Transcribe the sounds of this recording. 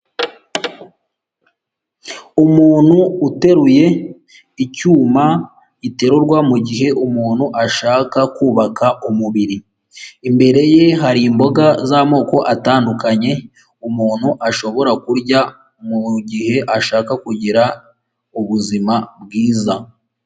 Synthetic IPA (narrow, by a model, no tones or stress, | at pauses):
umuːn̥huːte̞ɾuje̞ | icuːma | ite̞ɾuɾɡwamuɟiɦe̞ʔumuːnhuʔaʃaːkakuːβakʰaʔumuβiɾi | imbe̞ɾe̞jeɦaɾiːmbo̞ɡazamo̞ːko̞ʔataːndukaɲe̞ | umuːn̥huʔaʃo̞βo̞ɾakuɾɟa | muɟiɦe̞ʔaʃaːkakuɟiɾa | uβuzimabɡiːza